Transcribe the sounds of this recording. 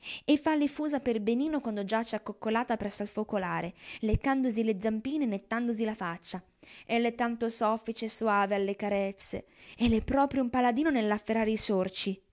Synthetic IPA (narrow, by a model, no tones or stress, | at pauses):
efːalːifuːzaperbeniːnokwand̪od͡ʒat͡ʃɛakːokːolaːt̪apɾɛsːoalfokolaːɾelekːand̪oziled̪zːampiːnenet̪ːand̪ozilafat͡ʃːa | ɛlːɛt̪ːant̪osɔfːit͡ʃesuwaːvealːekaɾɛt̪sːḛɛlːɛpːɾɔːpɾjoumpalad̪iːnonelːafːeɾaːɾeisort͡ʃi